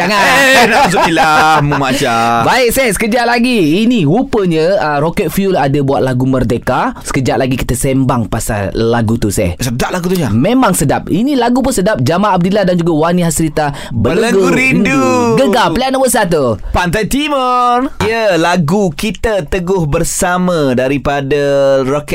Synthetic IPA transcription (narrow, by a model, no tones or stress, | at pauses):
t̪aŋanas̬ilaməmat͡ʃabaɪk̚sɛhsə̥kəd͡ʒaʔ̪̚laɡiːnihupəɲə̃ərokɛt̪̚fiuladəbuaʔ̪̚laɡumərdekasə̥kəd͡ʒaʔlaɡiki̥t̪əsembaŋpasa̰laɡut̪usɛ̰hsədap̚laɡut̪uɲamẽmaŋsədap̚inilaɡupʊnsədap̚d͡ʒamaab̚diladand͡ʒuɡawaniɦasɾit̪a | bəələəɡɡuuɾinduɡəɡaəliaʔnabəʔsat̪̬upant̪ajt̪imərijəlaɡukit̪ət̪əɡʊhbərsamãdaɾipadarok